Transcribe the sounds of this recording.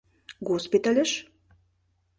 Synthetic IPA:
ɡospit̪alʲɘ̆ʃ

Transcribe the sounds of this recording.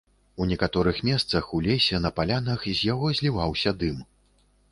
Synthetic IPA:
unʲɛkat̪ɔɾɨxmʲɛst̪sɐxulʲɛsʲɛnɐpalʲanɐxzʲjaɣɔzʲlʲivawsʲɐd̪ɨm

